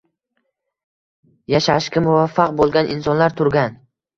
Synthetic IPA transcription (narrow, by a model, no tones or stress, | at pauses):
jaʃaʃkʲamʊvafːɑq̚bolˠɡʲanʔɪnsɒnlaɾt̪ʰʊɾɡʲan